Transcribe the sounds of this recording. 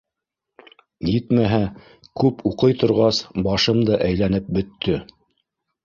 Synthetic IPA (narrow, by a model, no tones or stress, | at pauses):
jit̪mæɦæ | kʉpuqɤjt̪ŏɾʁɑsbɑʃɤmd̪ɑʔæjlænɘp̚bɵ̆t̪ʰːɵ